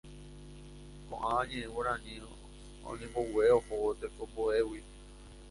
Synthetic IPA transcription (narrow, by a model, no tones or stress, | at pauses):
kõ̰ʔããɲẽẽwoɾãnĩo | õ̰ɲẽmboweohoot̪ekopoewi